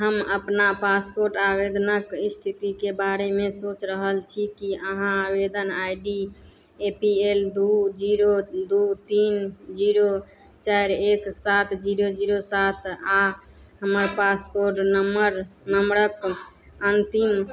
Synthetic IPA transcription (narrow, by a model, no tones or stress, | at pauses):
ɦəməpnapaspoɾʈabed̪nəkist̪ʰit̪ikebaɾemesot͡ʃɾəɦəlt͡ʃʰikiəɦãabed̪ənajɖi | epield̪ud͡ʒiɾod̪ut̪ind͡ʒiɾo | t͡ʃajɾeksat̪ʰd͡ʒiɾod͡ʒiɾosat̪ʰa | ɦəməɾpaspoɾʈnəməɾnəmɾək | ənt̪im